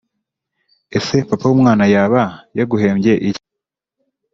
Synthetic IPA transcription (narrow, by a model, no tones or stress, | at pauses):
e̞se̞papawuːmŋaːnajaːβajaɡuhe̞ːmɟe̞ʔi